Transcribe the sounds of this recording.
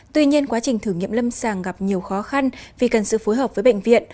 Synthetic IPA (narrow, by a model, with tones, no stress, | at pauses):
t̪wi˧ɲi˧ənkwaː˨˦t͡ɕï˨˩ŋ̟t̪ʰɨ˧˩ŋḭ˧˨əmlə˧msaː˨˩ŋɣa˨˩p̚ɲi˨˩əwxɔ˨˦xa˧nvi˨˩kə˨˩nsɨ̰˧˨fo˨˦jɦəː˨˩p̚vːjɓə̰˧˨jŋ̟vḭ˧˨ən